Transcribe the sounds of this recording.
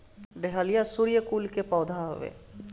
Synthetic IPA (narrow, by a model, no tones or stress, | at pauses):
ɖeɦalijasuɾijəkuːlkepɔːd̪ʱa̰ʋḛː